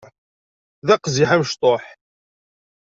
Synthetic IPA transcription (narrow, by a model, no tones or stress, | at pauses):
ðæqziħaməʃt̪ˤoħ